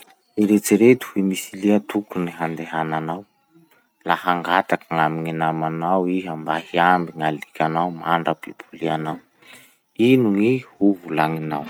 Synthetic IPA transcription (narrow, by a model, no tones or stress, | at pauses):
iɾet͡siɾet̪u̥himisiliət̪ukuniɦand̪eɦananaw | lahaŋɡat̪akaŋamiŋinamanawiɦambahiambiŋalikʲanawmaɳɖ͡ʐəpipʰulianaw | inuŋihuvulaŋinaw